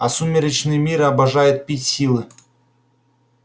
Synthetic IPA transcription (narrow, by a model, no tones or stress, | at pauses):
ɐsumʲɪɾət͡ɕnɨjmʲiɾɐbɐʐajʊt̪̚pʲitʲsʲilˠɨ